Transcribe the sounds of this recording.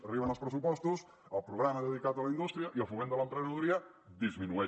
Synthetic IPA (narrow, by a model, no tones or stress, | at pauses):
riβanolspɾesupɔst̪us | alpɾoɣɾamaðeð̞ikat̪̬alaind̪ust̪ɾjaʔialfumẽnt̪oalẽnp̪ɾenaðuɾia | d̪izmĩnue